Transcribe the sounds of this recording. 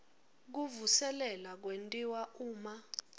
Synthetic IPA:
k̬uvusɛlɛlak̬wentʼiwauːma

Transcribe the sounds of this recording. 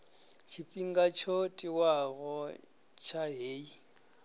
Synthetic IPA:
t͡ʃʰipʼiŋɡat͡ʃʰɔtʼiwaɣɔ | t͡ʃʰaɦeːi

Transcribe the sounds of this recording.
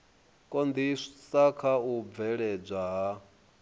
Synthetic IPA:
kʼɔnd̪isakʰaub̪vɛɺɛb͡ʐʷaɦa

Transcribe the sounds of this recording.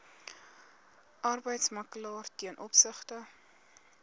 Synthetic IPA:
ʔɐrbəjtsmɐkəlɑːrtiənʔɔpsəχtə

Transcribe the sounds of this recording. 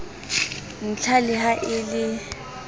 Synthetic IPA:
n̩t͡ɬʰalɪɦaʔɪlɪ

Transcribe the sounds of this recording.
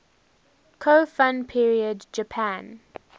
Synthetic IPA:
kʰoːfãnpʰiɹiədd͡ʒəpʰæ̃n

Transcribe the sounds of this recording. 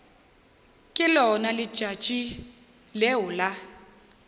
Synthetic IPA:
kʼɪlɔnalɪ̥ʒ̥ʱḁt͡ʃʼi | lɛɦula

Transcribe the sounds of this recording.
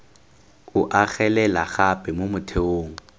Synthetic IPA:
ʊʔaɣɛlɛlaɣapʼɛmomʊtʰeoːŋ̩

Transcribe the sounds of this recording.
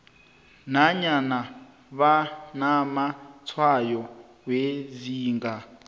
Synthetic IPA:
naɲana | βanamat͡sʰwajɔ | weziːŋɡa

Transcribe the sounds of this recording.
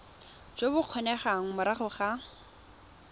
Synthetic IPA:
d͡ʒobʊq͡χʰɔnɛχaŋ̩mʊɾaχʊχa

